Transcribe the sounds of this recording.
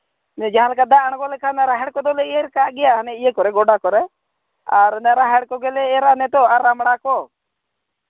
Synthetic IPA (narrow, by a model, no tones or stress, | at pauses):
nɛd͡ʒaɦãlɛkad̪aʔɽ̃kɔlɛkʰanaɾaɦɛɽkɔd̪ɔlɛieɾkaɡɛjaɦnɛijɛkɔɾɛɡɔɖakɔɾɛ | aɾnɛɾaɦɛɽkɔɡɛlɛːɾanɛt̪ɔaɾamɽ̃akɔ